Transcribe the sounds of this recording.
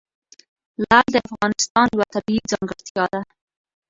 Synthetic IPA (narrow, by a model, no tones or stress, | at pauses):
lɑld̪əafɣɑnɪst̪ɑnjawat̪abizɑŋɡəɽt̪jɑd̪a